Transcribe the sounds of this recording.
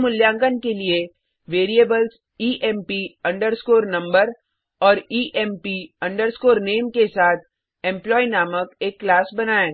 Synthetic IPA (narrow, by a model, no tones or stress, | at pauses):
mʊljãːŋɡənkelie | ʋeːɾiebəls | iːʔɛmpiɐ̃ɳɖəɾskoːɾnɐ̃mbəɾ | ɔːɾiːʔɛmpiɐ̃ɳɖəɾskoːɾneːmkesaːt̪̚ʰ | ɛ̃mplɔːinaːməkeːkːlaːsbɐnaːeː